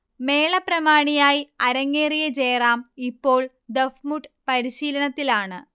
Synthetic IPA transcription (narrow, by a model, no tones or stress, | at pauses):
me̞ːɭɐprɐmaːɳijaːjiɐɾɐŋːeːrijɐt͡ɕe̞ːraːmipːo̞ːɭ | d̪efmuʈːpɐɾiɕiːlɐnɐt̪ːilaːɳɨ